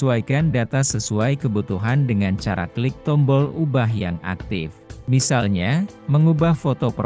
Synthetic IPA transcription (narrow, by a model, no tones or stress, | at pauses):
uajkandat̪asəsuajkəbut̪uɦandəŋant͡ʃaɾʔa̰klɪk̚t̪ɔmbɔlubaɦja̰ŋa̰k̚t̪ɪ̰fmisalɲa | məŋubahfot̪op